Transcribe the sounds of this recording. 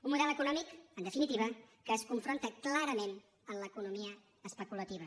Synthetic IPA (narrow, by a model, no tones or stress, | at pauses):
unmuðɛlˠəkunɔmikənd̪əfinit̪iβ̞əkəːskuɱfɾont̪əklaɾəmen | əmləkunumiəː | spəkulət̪iβ̞ə